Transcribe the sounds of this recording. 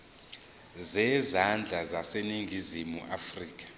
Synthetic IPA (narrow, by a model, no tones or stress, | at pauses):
zɛːzand͡ɮʱazaseniŋɡʱizimuʔafriːk̬ʼḁ